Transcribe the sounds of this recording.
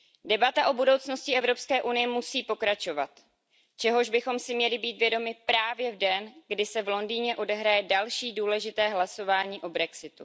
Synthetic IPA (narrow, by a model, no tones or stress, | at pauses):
dɛbat̪aʔobudo̞wt͡sno̞scɪɛvɾo̞pskɛːʔunɪjɛmusiːpo̞kɾat͡ʃo̞vat̪ | t͡ʃɛɦo̞ʒbɪxo̞msɪmɲɛlɪbiːt̪vjɛdo̞mɪpɾaːvjɛvdɛnɡdɪsɛvlo̞ndiːɲɛʔo̞dɛɦɾajɛdalʃiːduːlɛʒɪt̪ɛːɦlaso̞vaːɲiːʔo̞bɾɛksɪt̪u